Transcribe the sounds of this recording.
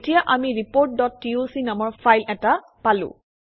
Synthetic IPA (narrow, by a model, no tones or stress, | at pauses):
tijaʔamiɹipoɹt̚dɔtːiosinɔmbɔɹpʰajlɛta | palʊ̰̃